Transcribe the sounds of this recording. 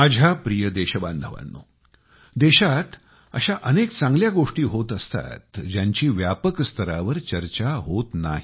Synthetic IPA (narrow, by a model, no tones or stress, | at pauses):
mad͡ʑʱapɾijəd̪eɕəbãnd̪ʱəʋa̰nːo̰ | d̪eɕat̪ | ə̰ɕaʔənekt͡sãŋɡljaɡoʂʈiːɦot̪əst̪a̰t̪d͡ʑjaɲt͡ɕiːʋjapəkst̪ʰəɾaʋəɾt͡ɕəɾt͡ɕaɦot̪na̰ɦi